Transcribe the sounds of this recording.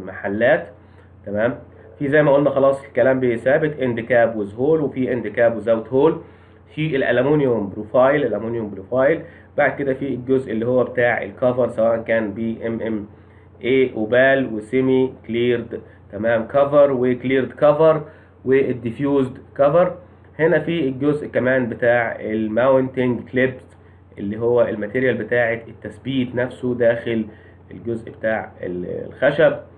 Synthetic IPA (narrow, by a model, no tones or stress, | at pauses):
maħalːæːt̪ | t̪æmæːm | fiːzæjmæʔuːlnæxɑlɑːsˤɪlkælæːmbesæːbɪt̪ʔɪnd̪ɪkæːbwɪzhoːlwefiːʔend̪ɪkæːbwzæwt̪hoːl | fiːʔelʔæ̰læmuːnjʊmbɾufɑːjlʔelʔæmuːnjombɾufɑːjl | b̥aʕd̪̚ked̪æfilɡozʔelːiːhowːæbet̪aːʕḛlkɑvɑɾˤsæwæːʔænkæːnbiːʔemʔem | ʔeːʔobæːlwesɪmikliːɾd̪ | t̪æmæːmkɑvɑɾˤwekliːɾd̪kɑvɑɾˤ | wed̪ːifjuːzd̪kɑvɑɾˤ | henæfiːlɡʊzʔkæmæːnbet̪aːʕelmawnt̪ɪŋɡklebs | ʔḛlːiːɦowːæʔelmæt̪iːɾjælbɪt̪aːʕet̪et̪ːæsbiːt̪næfsod̪æːxɪl | ḛlɡʊzʔbet̪aːʕḛlxæʃæb̚